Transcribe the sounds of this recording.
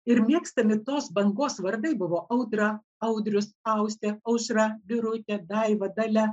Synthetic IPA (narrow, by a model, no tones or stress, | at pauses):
ɪɾmʲiɛkst̪ɐmʲɪt̪oːsbɐŋɡoːsʋɐɾd̪ɐɪbʊʋoːʔɐʊd̪ɾɐ | ɐʊd̪ʲɾʲʊsɐʊsʲt̪ʲeɐʊʃɾɐbʲɪɾʊt̪ʲɛd̪ɐɪʋɐd̪ɐlʲɛ